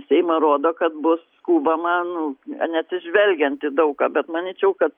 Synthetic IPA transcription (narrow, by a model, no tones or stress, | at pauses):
sʲɛɪmɐɾoːd̪oːkɐt̪bʊs | kuːbɐmɐnʊɐnʲɛɐt̪ʲsʲɪʒʲʋʲɛlʲɡʲɛnt̪ɪd̪ɐʊkɑːbʲɛt̪mɐnʲiːt͡ʃʲɛʊkɐt̪̚